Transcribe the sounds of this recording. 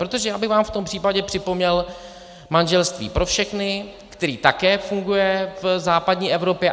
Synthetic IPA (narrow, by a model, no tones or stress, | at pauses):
pɾot̪o̞ʒɛjaːbɪɣvaːmft̪o̞mpr̥iːpaɟɛpr̝̥ɪpo̞mɲɛl | manʒɛlst̪vḭːpɾʔo̞fʃɛxnɪ | kt̪ɛɾiːt̪akɛːfuŋɡujɛvzaːpadɲiːʔɛvɾo̞pjɛ